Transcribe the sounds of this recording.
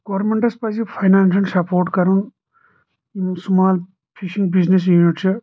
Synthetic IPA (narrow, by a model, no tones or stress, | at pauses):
ɡ̥oʋɾmeɳʈɐspɐsipʰɐjnaːnsɐnsɐpʰoːɾʈkɐɾun | imsumaːl | pʰiʃiŋɡbiznes̬juːniʈt͡ʃʰi